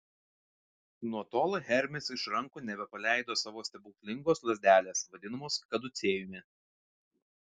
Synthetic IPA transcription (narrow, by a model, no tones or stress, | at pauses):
nuɔt̪oːlˠɣʲɛɾʲmʲɪsɪʃɾɐŋkoːnʲɛbʲɛpɐlʲæˑɪd̪oːsɑːʋoːst̪ʲɛbʊːkʲlʲɪŋɡoːslˠɐzʲd̪ʲæːlʲeːsʋɐd̪ʲɪnɐmoːskɐd̪ʊt̪sʲeːjʊmʲɪ